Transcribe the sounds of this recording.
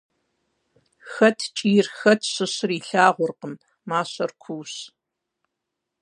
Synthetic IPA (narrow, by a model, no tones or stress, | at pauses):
xɐtʰt͡ʃʼiːrxɐtʰɕɨɕɪriːɬaːʁʷʊrqəmː | aːɕɐrkʷʰuːɕ